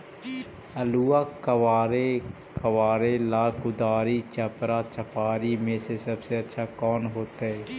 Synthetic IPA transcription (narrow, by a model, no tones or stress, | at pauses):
əluːaːkəwaːɾe | kəwaːɾelaːkʊd̪aːɾit͡ʃəpɾat͡ʃəpaːɾimẽsesəbseətːʃʰakɔːnɦoːt̪aɦɛː